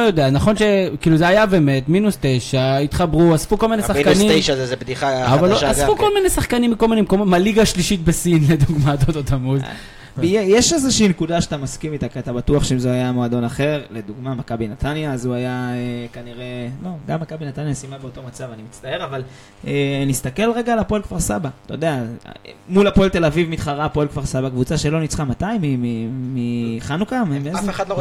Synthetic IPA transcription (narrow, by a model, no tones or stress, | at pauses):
ojo̞d̪e̞anaχo̞nʃe̞kiːluzeajabe̞me̞tminust̪e̞jʃait̪χabʁuasfukolminesaχnkanieʃazezebd̪iχaavalasfukolminesaχkanimːikolminemkomomaliɡaʃliʃit̪̚besinle̞d̪uɡmatot̪ot̪ʰamud | jejeʃezeʃiinkudaʃeat̪amaskimit̪akiat̪abatuaχʃeimzeajamoad̪o̞naχe̞ʁle̞d̪uɡmamakabinat̪anjaːzuajaekaniʁe̞lo̞ɡamːakabinat̪anjasimabeo̞to̞mat͡savanimit͡st̪ae̞ʁaval | ʔenist̪ake̞lʁe̞ɡaːlapoelkvaʁsabat̪aod̪ea | mulapoelt̪e̞lavivmit̪χaʁapoelkvaʁsabakvut͡saʃelo̞nit͡sχamat̪aimimimiχanukammeeχad̪lo